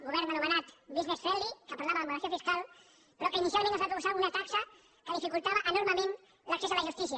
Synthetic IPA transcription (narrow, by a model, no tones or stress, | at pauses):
ɣuβɛɾnənumənat̪biznesfɛlikəpaɾlaβəðəmulɾasθiəfiskalˠ | pɾɔkinisialˠmẽntəzβap̪ɾuβusaunat̪aksə | kəðifikulˠt̪aβəʔənuɾməmẽn | ləksezðələʒust̪isiə